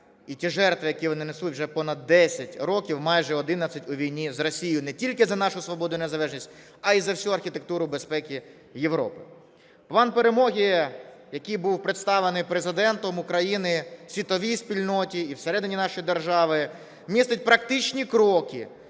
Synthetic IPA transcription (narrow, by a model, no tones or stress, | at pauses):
itʲiʒɛrt̪ʋɪjɐkiʋɔnɪnesutʲwʒɛpɔnɐd̪ːɛsʲɐtʲɾɔkʲiwmɑjʒɛɔd̪ɪnɐt͡sʲɐtʲʊʋʲijnʲizrɔsʲijʊnɛtʲilʲkɪzɐnɑʃʊsʋɔbɔd̪ʊjnezɐlˠɛʒnʲisʲtʲ | ɐizɐwsʲuɐrxʲit̪ek̚t̪uɾʊbespɛkʲi | jeʋɾɔ̰pɪ | plˠɑnpeɾemɔɦʲijɐkʲijbuwpɾɪt̪st̪ɑʋenɪjpɾezɪd̪ɛnt̪ɔmʊkɾɐjinɪsʲʋʲit̪ɔʋʲijsʲpʲilʲnɔtʲiiwseɾɛd̪ɪnʲinɑʃʊjd̪erʒɑʋɪ | mʲist̪ɪt̚ʲpɾɐkt̪ɪt͡ʃnʲikɾɔkɪ̰